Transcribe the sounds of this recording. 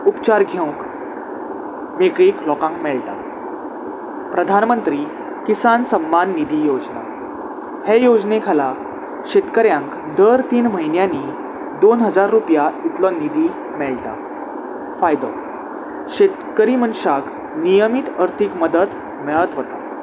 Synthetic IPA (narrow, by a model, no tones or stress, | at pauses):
upt͡ɕaɾɡʱew̃k | mekɭiːklɔkãŋkmɛɭʈa̰ | pɾəd̪ʱanmənt̪ɾiː | kisansəmːanːid̪ʱiːjod͡zna̰ | hejod͡znekʰala | ɕet̪kəɾjãŋk | d̪əɾt̪iːnməɦinjani | d̪onɦəd͡zaɾːupjait̪lɔnid̪ʱiː | mɛɭʈ̪a̰ | fajd̪ɔ̰ | ɕet̪kəɾimənɕak | nijəmit̪əɾt̪ʰikməd̪ət̪ | mɛɭət̪ʋət̪a